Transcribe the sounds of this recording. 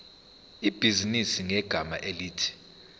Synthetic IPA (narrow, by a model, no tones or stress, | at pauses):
ib̥ʱizinisiŋɛɡ̥ʱama̰ʔeliːtʰi̥